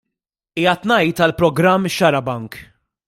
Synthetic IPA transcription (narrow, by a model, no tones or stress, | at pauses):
iːjɐt̪nɐjt̪ɐlpɾɔɡɾɐmːʃɐɾɐbɐŋk